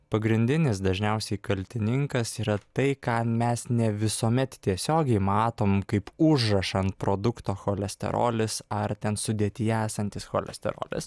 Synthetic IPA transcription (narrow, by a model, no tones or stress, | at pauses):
pɐɡɾʲɪnʲd̪ʲɪnʲɪs̬d̪ɐʒʲnʲɛʊsʲɛɪkɐlʲt̪ʲɪnʲɪŋkɐsiːɾɐt̪ɐɪkɑːmʲɛsnʲɛʋʲɪsoːmʲɛt̪t̪ʲiɛsʲoːɡʲɛɪmɑːt̪oːmkɐɪpʊʒrɐʃɐnt̪̚pɾoːd̪ʊkt̪oːxoːlʲɛsʲt̪ʲɛ̰ɾo̰ːlʲɪsɐɾt̪ʲɛnsʊd̪ʲiɛt̪ʲɪjæːsɐnʲt̪ʲɪsxoːlʲɛ̰sʲt̪ʲɛ̰ɾo̰ːlʲɪ̰s